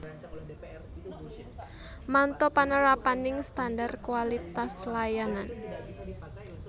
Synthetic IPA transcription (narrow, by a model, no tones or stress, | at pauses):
mant̪ɔpanəɾapanɪŋst̪andarkuwalit̪aslajanan